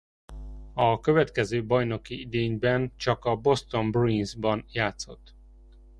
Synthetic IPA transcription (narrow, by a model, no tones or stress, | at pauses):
ɒkøvɛt̪kɛzøːbɒjno̞kiid̪eːɲbɛnt͡ʃɒkɒbo̞st̪o̞mbrinzbɒnjaːt̪so̞t̪ː